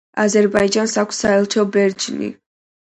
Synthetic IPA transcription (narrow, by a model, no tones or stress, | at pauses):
azɛɾbaid͡ʒansakʷʰsːaɛlˠt͡ʃʰɔbɛɾd͡ʒnḭ